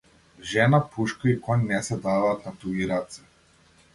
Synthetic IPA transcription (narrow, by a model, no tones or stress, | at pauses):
ʒɛnapuʃkaikɔnnɛsɛd̪avaːt̪nat̪uiɾat̪sɛ̥